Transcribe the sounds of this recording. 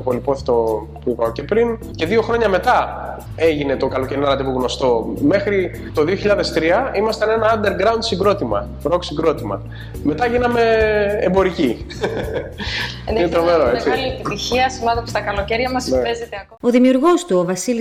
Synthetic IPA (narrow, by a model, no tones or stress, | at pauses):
polipoθet̪o | puipɐoce̞pɾin | ce̞ðio̞xɾo̞ɲɐme̞t̪ɐ | e̞ʝine̞t̪o̞kɐlo̞ceɾinɐlɐt̪ipuɣno̞st̪o̞me̞xɾi | t̪o̞ðio̞çiʎɐðe̞st̪ɾiɐimɐst̪ɐne̞nɐːnd̪e̞ɾɡɾɐund̪siɡɾo̞t̪imɐ̰ | ɾoksiŋɡɾo̞t̪imɐ̰ | me̞t̪ɐʝinɐme̞ːmbo̞ɾici | inet̪ɾomeɾoet͡siliepit̪içiɐsimɐd̪epo̥st̪ɐkɐlo̞ceɾʝɐmɐspezet̪eɐko̞ðimiuɾɣo̞st̪uovɐsili